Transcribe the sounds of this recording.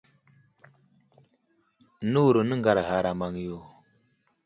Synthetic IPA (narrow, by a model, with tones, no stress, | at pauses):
nu˦˨ɾu˨nə˦ŋɡa˨ɾɦa˨ɾa˨ma˨ŋjo˨